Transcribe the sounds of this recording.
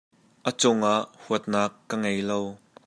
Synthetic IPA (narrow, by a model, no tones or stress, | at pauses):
ʔət͡sʊŋʔaʔhuət̪̚naːkːəŋejlow